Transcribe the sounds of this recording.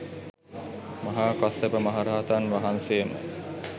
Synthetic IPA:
maɦaːkasepəmaɦaɾaːt̪anʋaɦanseːmə̰

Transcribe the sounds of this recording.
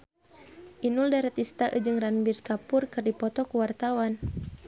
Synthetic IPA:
ʔinʊldaɾat̪ist̪aʔɨ̰d͡ʒɨŋranbirkapʊrkɨrdipɔt̪ɔkuwart̪awan

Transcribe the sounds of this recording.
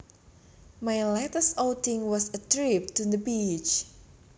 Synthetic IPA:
majlɛtəsoʊtɪ̃ŋwɔsətɹip̚tud̪əbit͡ʃ

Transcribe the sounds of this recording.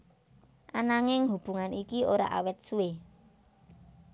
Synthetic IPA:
ʔanaŋɪŋɦub̥uŋanikioɾa̰ʔa̰wɛt̪̚sue

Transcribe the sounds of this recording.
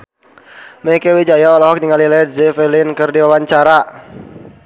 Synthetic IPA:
mɛkewid͡ʒajaɔlɔɦɔk̚niŋalilɛdzɛfɛlɪnkɨrdiwawaɲt͡ʃaɾa

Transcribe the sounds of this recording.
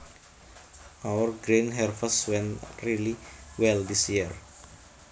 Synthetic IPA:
ʔawərɡɾinɦɛrfəswɛ̃nriliwɛld̪isjiər

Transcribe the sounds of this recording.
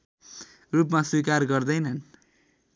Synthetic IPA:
rup̬maswikarɡʌrd̪ʌjnʌn

